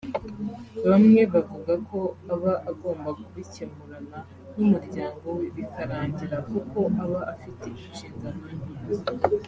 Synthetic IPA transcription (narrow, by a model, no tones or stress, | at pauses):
βamŋe̞βavuɡakʰo̞aβaʔaɡo̞ːmbakuβicemuɾana | numuɾɟaːŋɡo̞weβikaɾaːɲɟiɾakuko̞ʔaβaʔafite̞iʃiːŋɡananiz